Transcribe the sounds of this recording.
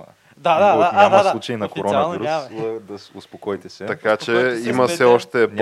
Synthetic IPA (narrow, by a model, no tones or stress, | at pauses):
d̪ad̪aaaaut͡ʃɐinɐkoɾɔaɐviɾusɐd̪ɐsʊspokojt̪ɛsɛt̪ɐkat͡ʃɛimɐssɛɔʃt̪ɛ